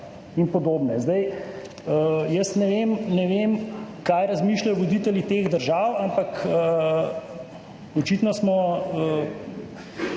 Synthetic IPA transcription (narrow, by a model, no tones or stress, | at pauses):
inpɔd̪oːbnɛzd̪ɐj | əjəst̪nɛʋeːmnɛʋemkajɾɐzmiːʃlajɔʋod̪it̪ɛlit̪eːɣd̪əɾʒaːwampakə | ɔt͡ʃit̪nɔsmɔə